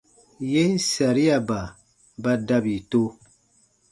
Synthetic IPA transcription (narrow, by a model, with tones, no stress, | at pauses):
je˦n˦sa˨ɾi˦a˨ba˨ | ba˦da˦bi˨to˦